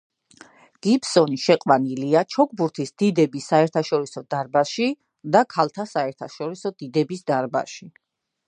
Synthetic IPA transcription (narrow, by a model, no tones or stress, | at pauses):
ɡ̥ipsɔniʃɛqʼwaniliat͡ʃʰɔk̚ʰʼbuɾt̪ʰisd̪id̪ɛbisaɛɾt̪ʰaʃɔɾisɔd̪aɾbaʃi | d̪akʰalˠt̪ʰasaɛɾt̪ʰaʃɔɾisɔd̪̥id̪ɛbisd̪aɾba̰ʃi